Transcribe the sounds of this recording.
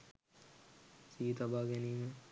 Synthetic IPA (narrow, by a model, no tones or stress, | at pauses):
siːt̪abaːɡeniːme